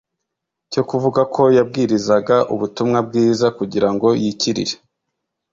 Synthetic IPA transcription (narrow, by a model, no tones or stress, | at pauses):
co̞kuvuɡakʰo̞jab̚ɡiːɾizaɡaʔuβutumŋab̚ɡiːzakuɟiɾaŋɡo̞jiciɾḭɾe